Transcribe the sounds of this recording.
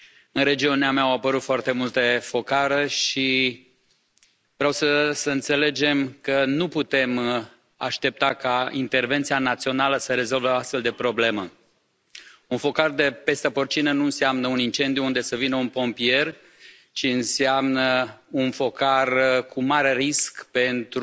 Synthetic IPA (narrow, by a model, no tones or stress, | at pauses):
ɨnɾe̞d͡ʒiuneameawapəɾut̪foart̪e̞mult̪efo̞kaɾeʃi | vɾeawsəsəɨnt̪se̞le̞d͡ʒe̞mkənuput̪e̞m | a̰ʃt̪e̞p̚t̪akaḭnt̪e̞rve̞nt̪sianat̪sio̞naləsəɾe̞zo̞lveoast̪fe̞ld̪e̞pɾo̞ble̞mə | unfo̞kard̪e̞pe̞st̪eport͡ʃinənuɨnseamnəunint͡ʃe̞nd̪ijuund̪e̞səvinəunpo̞mpie̞r | t͡ʃiɨnseamnəunfo̞karkʰumaɾeriskpe̞nt̪ɾ